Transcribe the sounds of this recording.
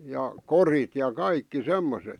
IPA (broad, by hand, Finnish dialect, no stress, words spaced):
jɑ korit jɑ kɑikːi semːoset